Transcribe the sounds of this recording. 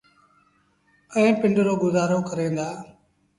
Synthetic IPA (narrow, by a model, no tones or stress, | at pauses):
ɛ̃ːpɪ̃ɳɖɾoːɡʊzaːɾoːkəɾẽːnd̪aː